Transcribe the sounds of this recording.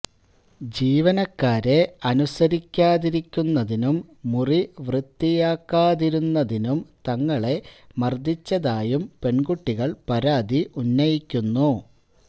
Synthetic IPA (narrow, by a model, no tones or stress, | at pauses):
d͡ʑiːʋɐnɐkːaːɾe̞ɐnusɐɾikʲːaːðiɾikʲːunːɐðinumː | uriʋrɨt̪ːijaːkːaːðiɾunːɐðinumt̪ɐŋːɐɭe̞mɐrd̪ʱit͡ɕːɐðaːjumpe̞ɳɡuʈːiɣɐɭpɐɾaːd̪iʔunːɐjikʲːunːu